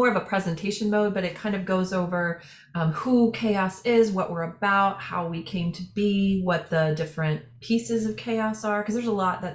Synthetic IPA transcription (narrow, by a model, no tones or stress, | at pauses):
ɔɹʌvəpʰɹ̥ɛzɨ̃ntʰeɪʃɨ̃nmoʊd̚bʌɾɨt̚kʰãɪ̃ndʌvɡoʊzoʊvə˞ | hukʰeɪɑsɪzwʌʔwɪɹɨbaʊt̚ha̰ʊwikʰẽɪ̃mtʰɨbiwʌt̪̚ðədɪfɹɨ̃npʰisɨzʌv̥kʰeɪɑsə˞kʰʌzðə˞zəlɔt̪̚ðɨt̚